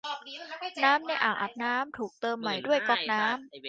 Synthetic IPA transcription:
naː˦˥mni˧˥˧ʔaː˨˩ŋʔa˨˩p̚naː˦˥mt̪ʰuː˨˩k̚t̪ɤː˧mːa˨˩jdu˥˩əjkɔ˥˩p̚naː˦˥m

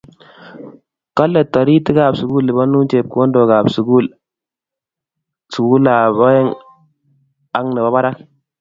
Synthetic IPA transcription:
ka˦lːa˨ta˨ɾi˦ti˦ɡa˦˨bsu˨ɡu˦lːi˨ba˦nu˦t͡ʃe˨p̚ko˦ndo˨ɡa˨bsu˨ɡu˦˨l | su˨ɡu˦la˨ba˦je˦ŋ | a˨˦ŋnə˨ba˦ba˦ɾa˦k

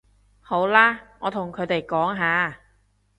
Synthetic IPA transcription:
ho˨˥wlaː˥ŋɔː˨˧t̪ʰʊ˨˩ŋkʰɵ˨˧t̪e˨jkɔː˨˥ŋɦaː˨˧

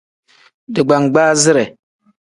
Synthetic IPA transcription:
dɨ˨ɡ͡ba˨ŋɡ͡baː˦zɪ˦ɾɛ˨

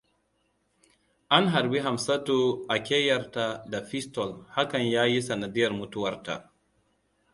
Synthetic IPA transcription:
ʔa˦nɦa˨ɾbi˦ɦa˨msa˦toː˦ʔa˨kʲeː˦jɐ˨ɾta˦da˨ɸi˦stɔ˨lha˦kɐ˨ɲjaː˦ji˦sɐ˨na˨dɪ˦jɐ˨rmʊ˦tʊ˦wɐ˨rta̰˨

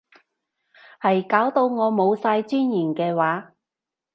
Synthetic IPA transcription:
hɐ˨jkaː˨˥wt̪o˧wŋɔː˨˧mo˨˧wsaː˧jt͡syː˥njiː˨˩nkɛː˧waː˨˥

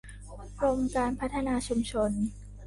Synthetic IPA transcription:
ɾo˧mkaː˧npʰa˦˥t̪ʰːa˧naː˧t͡ɕʰu˧mt͡ɕʰo˧n

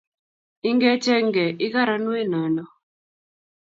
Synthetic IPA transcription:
i˦ŋɡe˦t͡ʃɛ˦ŋɡɛ˨ʔɪ˦ka˦ɾa˦nwe˦nɔ˨nɔ˦

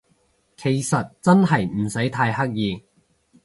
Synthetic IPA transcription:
kʰe˨˩jsɐ˨t̚t͡sɐ˥nɦɐ˨jm̩˨˩sɐ˨˥jt̪ʰaː˧jhɐ˥k̚jiː˧ŋ

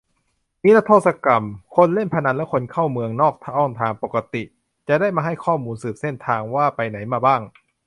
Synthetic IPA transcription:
miː˦˥la˦˥t̪ʰoː˥˩t̪̚sa˧ka˨mkʰo˧nle˥˩npʰa˧na˧˥nlɛ˦˥kʰo˧nkʰa˥˩wmɯ˧əŋnɔː˥˩k̚t̪ʰa˧ʔɔː˧˥˩ŋt̪ʰaː˧ŋpo˨˩ka˧t̪i˨˩ | t͡ɕa˨˩da˥˩jmaː˧ɦa˥˩jkʰɔː˥˩muː˧nsɯː˨˩p̚se˥˩nt̪ʰaː˧ŋwaː˥˩pa˧jna˩˦jmaː˧baː˥˩ŋ

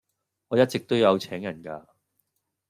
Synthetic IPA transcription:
ŋɔː˨˧jɐ˥t̚t͡sɪ˨k̚t̪o˥wjɐ˨˧wt͡sʰɛː˨˥ŋjɐ˨˩nkaː˧

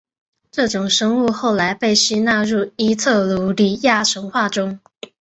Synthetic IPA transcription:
ʈ͡ʂɤ˥˩ʈ͡ʂʊ˨˩ŋʂɤ˥ŋu˥˧xo˥˩ʊla˧˥ɪpe˥˩ɪɕi˥na˥˧ɻu˥˩i˥t͡sʰɤ˥˩lu˧˥li˨˩ja˥˩ʈ͡ʂʰɤ˧˥ŋxwa˥˩ʈ͡ʂʊ˥ŋ

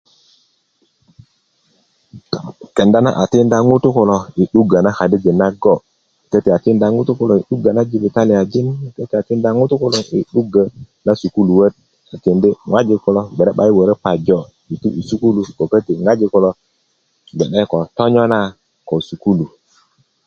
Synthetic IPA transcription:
ke˨nda˦na̰˦ʔa˨ti˦nda˦ŋu˦tu˦ku˨lo˨i˨ɗu˦ɡa˨na˦ha˨di˦d͡ʒe˨na˦ɡo˦˨ | kə˦ti˨a˨ti˦nda˦ŋu˦tu˦ku˨lo˨i˨ɗu˦ɡa˨na˦d͡ʒi˦bi˨ta˦li˨ja˨d͡ʒi˦n˨kə˦ti˨a˨ti˦n˦da˦ŋu˦tu˦ku˦lo˦˨ʔi˨ɗu˦ɡə˨ | na˦su˨ku˦lu˨wə˦t̚ | a˨ti˨ndi˦ŋʷwa˦d͡ʒi˨˦kɔ˦lo˦be˨ɾe˦ɓa˦jwə˨ɾe˦pa˨d͡ʒo˦˨ | i˨tu˦ʔi˨su˦ku˦lu˨ko˨kə˦ti˨ŋa˦d͡ʒi˦ku˦lo˦ | ɡɛ˨ɗe˦ko˨to˦ɲɔ˦na˦ | ko˨su˨ku˦lu˨

